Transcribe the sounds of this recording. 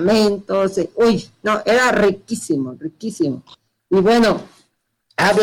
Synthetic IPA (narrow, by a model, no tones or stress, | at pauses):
mẽnt̪oseojnoʔeɾarikisimorikisimo̰ | iβweno | aβ